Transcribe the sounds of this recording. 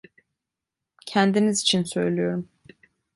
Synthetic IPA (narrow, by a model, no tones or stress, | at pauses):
cʰænd̪inizit͡ʃʰinsø̞jlʲyjo̞ɾum